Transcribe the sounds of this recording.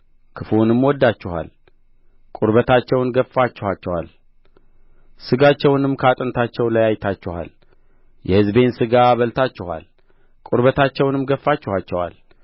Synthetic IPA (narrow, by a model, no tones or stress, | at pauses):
kʰɨfunɨmwɔd̪ːat͡ʃːɪha̰l | kʼuɾbət̪ʰat͡ʃːɛwnɡəfːat͡ʃːɪhat͡ʃːɛwa̰l | sɨɡat͡ʃːɛwnɨmːkʰat̪ʼɨnt̪ʰat͡ʃːɛwlajajt̪ʰat͡ʃːɪha̰l | jɛhɨzbe̞nsɨɡaβəlt̪ʰat͡ʃːɪha̰l | kʼuɾβət̪ʰat͡ʃːɛwnɨmɡəfːat͡ʃːɪhat͡ʃːɛwa̰l